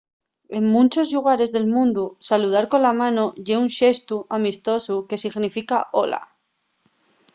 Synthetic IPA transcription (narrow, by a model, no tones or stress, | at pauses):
e̞ŋmũnt͡ʃo̞zʎuɣ̞aɾe̞zðe̞lmũnd̪usaluð̞aɾko̞nlamãnoʝe̞unʃe̞st̪uamist̪o̞suke̞siɣnifikaʔo̞la̰